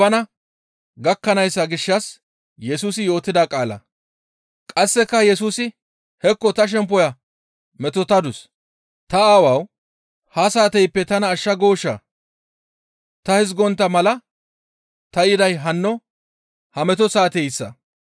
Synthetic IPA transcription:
ɐnɐ | ɡɐkːɐnɐjsːɐɡɪʃːɐs | jɛsuːsɪjo̞ːt̪ːɪd̪akʼaːlɐ̰ | kʼɐsːɛkːɐjɛsuːsɪ | hɛkːɔt̪ɐʃ̬ɛmp̬ːɔjɐ | mɛt̪ɔt̪ɐd̪ʊs | t̪ɐaːwɐw | hɐsaːt̪ɛjpːɛt̪ɐnɐːʃːɐɡoːʃːɐ̰ | t̪ɐhɪzɡɔnt̪ːɐmɐlɐ | t̪ɐjɪd̪ɐjɦɐnːɔ | hɐmɛt̪ɔsaːt̪ɛjsːɐ̰

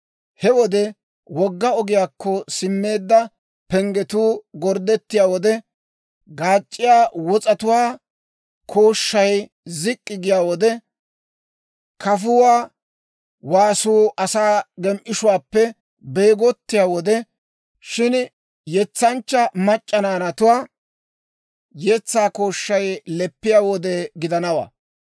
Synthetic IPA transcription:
hɛwɔd̪ɛ | wɔɡːɐɔɡɪjaːkːɔsɪmːe̞ːd̪ːɐ | pɛŋɡɛt̪uːɡɔɾd̪ɛt̪ːɪjaːwɔd̪ɛ | ɡaːt͡ʃʼːɪjaːwɔt͡sʼɐt̪ʊwaː | kʰoːʃːɐj | zɪkʼːɪɡɪjaːwɔd̪ɛ | kʰɐfʊwaː | waːsuːʔɐsaːɡɛmʔɪʃʊwaːpːɛ | beːɡɔt̪ːɪjaːwɔd̪ɛ | ʃɪn | jɛt͡sːɐnt͡ʃːɐmɐt͡ʃʼːɐnaːnɐt̪ʊwaː | jɛt͡sːaːko̞ːʃːɐjlɛpːɪjaːwɔd̪ɛɡɪd̪ɐnɐwa̰ː

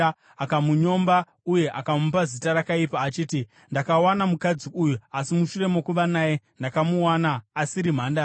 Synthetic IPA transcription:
akamuɲo̞mba | uje̞ʔakamupazitaɾakaipaːt͡ʃiːti | ndakawanamukad͡ziujuasimuʃure̞mo̞kuʋanaːje̞ | ndakamuwanaːsiɾim̤aːnda

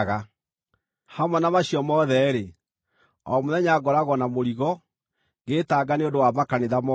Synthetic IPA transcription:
ɣa | hamwɛnamaɕiɔmɔðɛɾe | ɔ̰moðɛɲaɡɔɾaɣɔnamoɾiɣɔ | ɡetaːɡaneondowamakaneðamɔ

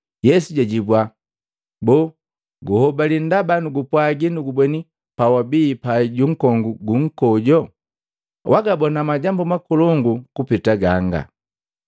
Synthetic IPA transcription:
jɛsuɟaɟibwa | bɔ | ɡuhɔbalindabanuɡupwaɡinuɡubɛni | pawabiːpaɟuŋ̩kɔŋɡuɡuŋ̩kɔɟɔ | wʔaɡabɔnamaɟambumakulɔŋɡukupitaɡaŋɡa̰

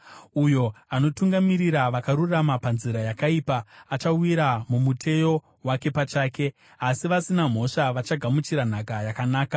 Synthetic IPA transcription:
ujo̞ano̞tuŋɡamiɾiɾaʋakaɾuramapanziɾajakaiːpaːt͡ʃawiɾamumutʰe̞jo̞ | wake̞pat͡ʃaːke̞ | asiʋasinam̤o̞ʂaʋat͡ʃaɡʱamut͡ʃiɾan̤akajakanaːka

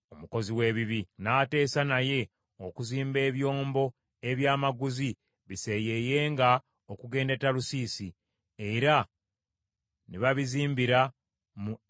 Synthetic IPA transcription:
o̞muko̞ziwe̞ːβiβinaːte̞ːsanaje̞ | okuziːmbe̞ːβjo̞ːmbo̞ | e̞βjaːmaɡuzi | βise̞je̞je̞ːŋɡa | okuɡe̞ːnde̞talusiːsi | e̞ɾa | niβaβiziːmbiɾa | mu

